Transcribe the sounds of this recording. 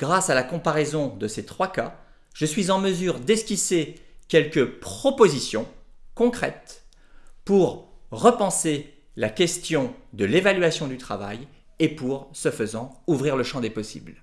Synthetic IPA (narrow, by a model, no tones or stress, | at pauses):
ɡ̥ʁasalakɔ̃paʁɛzɔ̃d̪əset̪χwaka | ʒ̥əsɥizɑ̃məzyʁd̪ɛskʲisekʲɛlkəpχɔpozisjɔ̃kɔ̃kχɛ̰t̪ | puʁːəpɑ̃se | lakʲɛst̪jɔ̃d̪əlevalɥasjɔ̃d̪yt̪χa̰va̰j | epuʁsəfəzɑ̃uvʁiʁləʃɑ̃d̪epɔsḭbl